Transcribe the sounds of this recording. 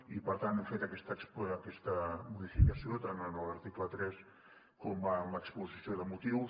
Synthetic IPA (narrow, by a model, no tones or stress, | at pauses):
ipəɾt̪anɛmfet̪əkɛst̪əkspːkɛst̪əmuðifikəsiot̪ananaləɾt̪iklət̪ɾɛs | kombaːmləkspulzisioðəmut̪iw